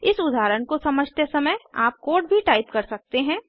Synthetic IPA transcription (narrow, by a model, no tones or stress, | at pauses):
ɪsʊd̪ʱaːɾəɳkosɐməd͡ʒʱt̪esɐməja̰ːp̚koːɖ̚bʱiʈaːɪpkɐɾsɐk̚t̪eɦɛ̃ː